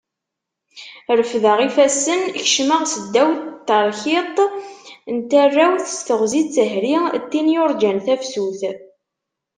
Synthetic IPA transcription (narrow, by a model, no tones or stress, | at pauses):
ɾəfðəʁifæsənçʃməʁsəd̪ːæwt̪ːəɾˤçɪt̪ˤ | nt̪ærːæwθst̪əʁzit͡sːəɦɾit̪ːinijʊɾˤd͡ʒænθæfsuθ